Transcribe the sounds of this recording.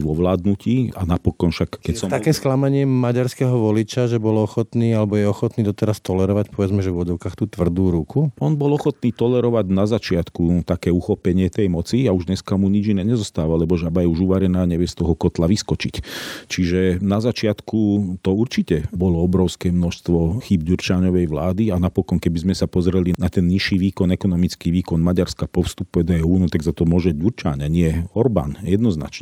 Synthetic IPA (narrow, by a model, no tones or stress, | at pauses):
ʋɔʋlaːd̪nuciːanapɔkɔnʃakkːɛcsɔt̪akɛːsklamaɲɪɛmaɟaɾskɛɦɔʋɔlit͡ʃaʒɛbɔlɔxɔt̪niːalɛbɔjɛɔxɔt̪niːd̪ɔt̪ɛɾast̪ɔlɛɾɔʋacpɔʋɛd͡zmɛʒɛvʋɔd͡zɔʊkaxt̪uːt̪ʋr̩d̪uːɾukʰuɔnbɔlɔxɔt̪niːt̪ɔlɛɾɔʋaɟnazat͡ʃɪat̪kut̪akɛːuxɔpɛɲɪɛt̪ɛjmɔt͡siauʒd̪ɲɛskamuɲid͡ʒinɛːɲɛzɔst̪aːʋalɛbɔʒabajɛuʒuʋaɾɛnaːɲɛʋɪɛst̪ɔɦɔkɔt̪laʋiskɔt͡ʃict͡ʃiʒɛnazat͡ʃɪat̪kut̪ɔuɾt͡ʃicɛbɔlɔɔbɾɔʊskɛːmnɔʃst̪ʋɔxiːbɟuɾt͡ʃaːɲɔʋɛjʋlaːd̪ianapɔkɔnkɛbizmɛsapɔzɾɛlinat̪ɛnɲiʃiːʋiːkɔnɛkɔnɔmit͡skiːʋiːkɔnmaɟaɾskapɔfst̪upɛd̪ɛuːnɔt̪aɡzat̪ɔmʊɔʒɛɟuɾt͡ʃa̰ːɲaɲɪɛɔɾba̰ːnjɛd̪nɔzna̰t͡ʃɲɛ